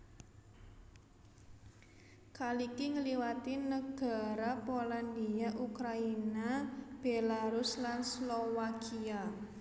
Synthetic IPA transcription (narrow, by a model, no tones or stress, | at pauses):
kalikiŋəliwat̪inəɡ̥a̤ɾapoland̪iaʔukɾainab̥elaɾuslanslowakia